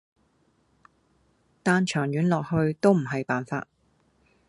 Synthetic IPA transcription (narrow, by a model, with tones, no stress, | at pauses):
t̪aː˨˧nt͡ʃʰœː˨˩ŋjyː˨˥nlɔː˨k̚hɵ˧ɥt̪o˥wm̩˨˩ɦɐ˨jpaː˨nfa̰ː˧t̚